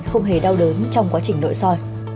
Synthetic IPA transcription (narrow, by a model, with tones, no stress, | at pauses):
xə˧wŋ͡mɦe˧˩ɗa˧wɗəː˨˦nt͡ɕɔ˧wŋ͡mkwaː˨˦t͡ɕï˧˩ŋ̟lo̰˧˨jsɔ˧j